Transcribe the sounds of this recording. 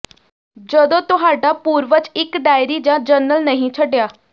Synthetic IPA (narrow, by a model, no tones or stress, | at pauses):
d͡ʒəd̪õːt̪ʊɦaːɖaːpuːɾʋət͡ʃɪkɖaːɪɾiːd͡ʒãːd͡ʒənəlnəɦĩːt͡ʃʰəɖɪjaː